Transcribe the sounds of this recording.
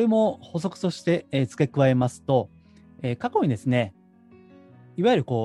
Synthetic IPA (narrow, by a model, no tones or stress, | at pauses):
oɾemo̞ho̞s̬o̞kɯ̟̥t̪o̞ɕi̥t̪e̞et͡sɨ̥kʲe̞kɯ̟βae̞masɨ̥t̪o̞ | eːkako̞ɲ̟id̪e̞sɨne̞ | iβajɯ̟ɾɯ̟ko̞ː